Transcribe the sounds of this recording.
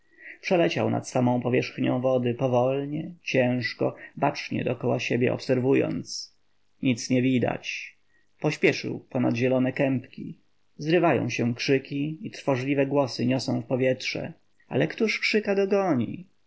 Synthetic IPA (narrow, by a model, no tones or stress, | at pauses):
pʂɛlɛt͡ɕawna̰t̪samɔ̃w̃pɔvʲjɛʂxɲɔ̃w̃vɔd̪ɘpɔvɔlɲɛt͡ɕɛ̃w̃ʂkɔ̰bat͡ʂɲɛ̰d̪ɔkɔwaɕebʲjɛ̰ʔɔ̰psɛɾvujɔ̰nt̪s | ɲit̪sɲɛvʲid̪a̰t͡ɕ | pɔɕpʲjɛʂɘ̰wpɔnad̪ʑɛlɔnɛkɛmpkʲi | zɾɘvajɔ̰̃w̃ɕɛ̃kʂɘkʲiit̪ɾfɔʐlʲivɛɡwɔsɘɲɔsɔ̃w̃fpɔvʲjɛtʂɛ̰ | a̰lɛkt̪uʂkʂɘkad̪ɔɡɔɲḭ